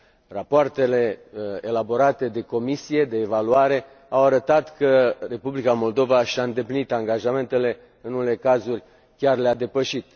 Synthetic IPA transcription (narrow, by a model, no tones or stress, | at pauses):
rapoart̪e̞le̞elabo̞ɾat̪e̞d̪e̞ko̞misije̞d̪e̞ːvaluaɾe̞ | awaɾət̪at̪kəre̞publikamo̞ld̪o̞vaʃaɨnd̪e̞plinit̪aŋɡaʒame̞nt̪e̞le̞ | ɨnunle̞kazurʲ | kʲarlead̪e̞pəʃit̪̚